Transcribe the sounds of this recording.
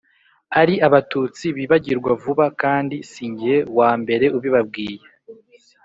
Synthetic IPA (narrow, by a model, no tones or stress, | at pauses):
aɾiʔaβatut͡siβiβaɟiɾɡwavuβakaːndisiːɲɟiɾe̞waːmbe̞ɾe̞uβiβab̚ɡiːje